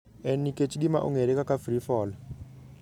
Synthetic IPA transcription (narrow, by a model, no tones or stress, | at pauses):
ɛnikʼet͡ʃʼiɗima̰ʔṵŋeɾɛkʼakʼafrifɔːla